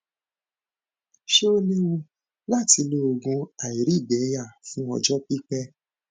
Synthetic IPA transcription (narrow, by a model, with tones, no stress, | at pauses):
ʃe˦o˦nĩ˦wũ˧ | la˦˨ti˧lo˦o˧˨ɡũ˧a˨i˨ɾi˨˦˨bɛ˨˦ja˦˨fũ˦ɔ̰˧d͡ʒɔ˦k͡pi˦k͡pɛ˦